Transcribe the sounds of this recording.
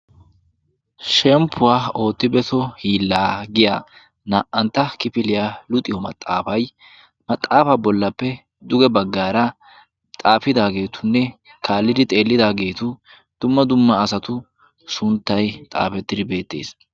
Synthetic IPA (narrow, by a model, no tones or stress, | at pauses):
ʃɛmpʰːʊwaːo̞ːt̪ːɪbɛt̪ɔhiːlːaːɡɪja | nɐːʔɐnt̪ːɐkɪpɪlɪjalʊt̪ʼːɪjɔmɐ̰t̪ʼːa̰ːfɐj | mɐt̪ʼːaːfɐbɔlːɐpːɛ | d̪ʊɡɛbɐɡːaːɾɐ | t̪ʼaːfɪd̪aːɡe̞ːt̪ʊnːɛ | kʰaːlːɪd̪ɪt̪ʼe̞ːlːɪd̪aːɡe̞ːt̪ʊ | d̪̥ʊmːɐd̪ʊmːɐːsɐt̪ʊ | sʊnt̪ːɐjt̪ʼa̰ːfɛt̪ːɪd̪ɪbe̞ːt̪ːe̞̰ːs